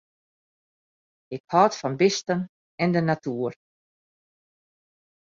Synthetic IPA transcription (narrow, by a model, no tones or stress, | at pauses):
ɪkhɔːtfɔnbɪstən | ɛndənatuːər